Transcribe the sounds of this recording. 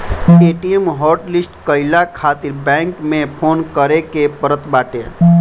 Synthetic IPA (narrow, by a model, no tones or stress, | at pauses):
eːʈijemɦɔːɾʈlɪsʈkəɪlakʰaːt̪ɪɾbɛ̃ːŋkmẽpʰoːnkəɾekepəɾət̪baːʈḛ